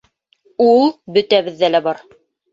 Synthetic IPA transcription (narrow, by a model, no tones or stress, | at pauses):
ulˠbɵ̆t̪æβɘ̆ðːælæbɑɾ